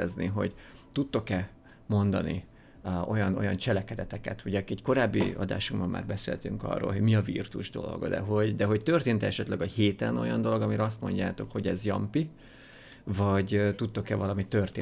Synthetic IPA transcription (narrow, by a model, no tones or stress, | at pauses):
ɛzniɦo̞̰ɟt̪ut̪ːo̞kɛ | mo̞nd̪ɒ̰nḭ | o̞jɒno̞̰jɒnt͡ʃɛlɛkɛd̪ɛt̪ɛkɛ̰t̪hoɟɛkɛɟko̞ɾaːbːiɒ̰d̪a̰ːʃuŋbɒmːa̰ːrbɛsḛːlt̪yŋkɒ̰rːo̰ːlɦo̞ɟmiɒvḭrt̪uʒd̪o̞̰lo̞̰ɡd̪ɛ̰ɦo̞ɟd̪ɛɦo̞ct̪ørt̪eːnt̪ɛɛʃɛt̪lɛɡɒheːt̪ɛno̞̰jɒnd̪o̞lo̞ɡɒmiɾɒs̬t̪mo̞̰ɲɟaːt̪o̞kho̞ɟɛzjɒmpi | vɒɟt̪ut̪ːo̞kɛvɒlɒmit̪ørt̪eː